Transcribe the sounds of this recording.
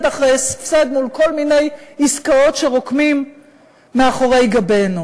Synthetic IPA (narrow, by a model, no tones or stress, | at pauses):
daχʁejsfsad̪nulko̞lmine̞jiskao̞tʃe̞ʁo̞kmimː | eaχo̞ʁe̞jɡabenu